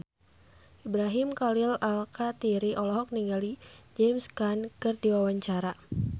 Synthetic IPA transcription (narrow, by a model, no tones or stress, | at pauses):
ʔibɾaɦɪmkalɪlalkat̪iɾiʔɔlɔɦɔk̚niŋɡalid͡ʒɛmskankɨrdiwawaɲt͡ʃaɾa